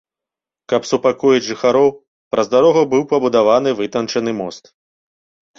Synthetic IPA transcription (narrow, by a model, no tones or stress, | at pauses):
kɐpsupakujɐd͡zʲʐɨxaɾɔw | pɾʔɐzd̪aɾɔɣɐbɨwpɐbud̪avanɨvɨt̪ɐnt͡ʂɐn̪ɨmɔst̪